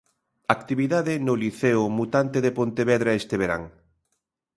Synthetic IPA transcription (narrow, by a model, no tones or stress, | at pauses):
akt̪iβiðaðɪnʊliθeʊmut̪ant̪eðepont̪eβɛðɾaest̪eβeɾa̰ŋ